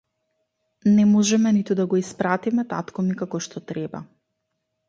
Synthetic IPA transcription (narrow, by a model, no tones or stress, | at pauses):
nɛmɔʒɛmɛnit̪ud̪aɡɔispɾat̪imɛt̪at̪kɔmikakɔʃt̪ɔt̪ɾɛba̰